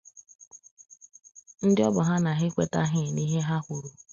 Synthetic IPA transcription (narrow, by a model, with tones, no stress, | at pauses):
n̩˦dɪ˦ɔ˦bʊ˨ɦa˦na˨ɦɪ˦kʷe˦ta˦ɦɪ˦˨ni˦ɦe˦ɦa˦kʷʊ˨ɾu˨